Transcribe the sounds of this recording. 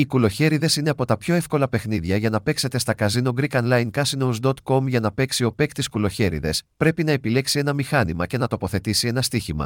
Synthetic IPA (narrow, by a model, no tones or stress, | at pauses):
ikulo̞çe̞ɾiðe̞sine̞ɐpo̞t̪ɐpço̞e̞fko̞lɐpe̞xniðʝɐʝɐnɐpe̞kse̞t̪e̞st̪ɐkɐzino̞ɡɾikɐnlɐiŋkɐsinozd̪o̞t̪ko̞mʝɐnɐpe̞ksio̞pe̞kt̪iskulo̞çe̞ɾḭðe̞spɾe̞pinɐe̞pile̞ksie̞nɐmixɐnimɐce̞nɐt̪o̞po̞θe̞t̪isie̞nɐst̪içimɐ̰